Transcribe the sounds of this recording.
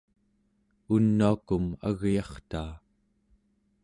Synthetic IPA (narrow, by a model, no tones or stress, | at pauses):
unːuakuma̰ɣjɑχt̪aː